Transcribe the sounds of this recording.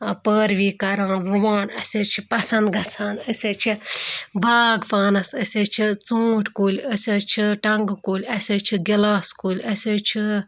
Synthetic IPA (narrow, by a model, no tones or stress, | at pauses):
pəːɾʋiːkɐɾaːnɾuʋaːnɐsʲet͡ʃʰipɐsɐnd̪ɡɐt͡sʰaːnəsʲeːt͡ʃʰibʱaːɡpaːnɐsɐsʲeːt͡ʃʰit͡soːʈʰʲkuːlʲəsʲeːt͡ʃʰiʈɐŋɡkuːlʲɐsʲeːt͡ʃʰiɡʲilaːskuːlʲɐsʲet͡ʃʰi